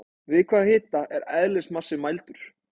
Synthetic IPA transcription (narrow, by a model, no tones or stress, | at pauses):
vɪðkʰvaːðhɪːt̪aʔɛɾɛðlɪsmasːɪmajlt̪ʏɾ̥